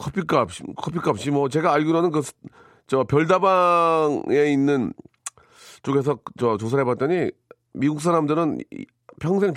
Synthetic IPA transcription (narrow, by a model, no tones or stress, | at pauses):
kʰʌpʰik͈ap̚ɕ͈ikʰʌpʰik͈ap̚ɕ͈imwʌt͡ɕe̞ɡaːʎɡoɾonɯnkɯsʰ | t͡ɕʌpjʌɭdabaŋe̞inːɯn | t͡ɕoɡe̞s̬ʰʌt͡ɕʌt͡ɕos̬ʰaɾɦe̞bat̚t͈ʌɲi | miɡuk̚s̬͈aɾamdɯɾɯn̰ | pʰjʌŋsʰe̞ŋt